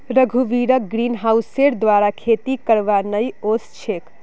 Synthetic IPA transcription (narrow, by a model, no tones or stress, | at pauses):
ɾəɡʱuʋiɾək̚ɡɾinɦawseɽd̪ʋaɾakʰet̪ikəɾʋanəjost͡ʃʰek